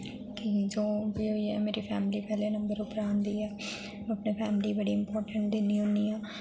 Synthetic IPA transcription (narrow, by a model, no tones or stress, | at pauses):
kid͡ʒoːbiɦoiɦɛmeːɾipʰɛːmɪlipɛɦlenɐ̃mbəɾʊpɾaːnd̪iːɦɛː | ɐpnepʰɛːmɪlibɐɽiɪ̃mpɔːɾʈə̃ɳʈ̚d̪eːniɦoːniɦɛː